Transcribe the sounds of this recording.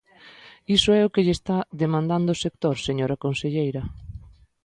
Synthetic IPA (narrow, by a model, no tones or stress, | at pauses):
isʊɛʊkeʎest̪aðemãnd̪and̪ʊːsek̚t̪oɾseɲoɾɐkonseʎejɾɐ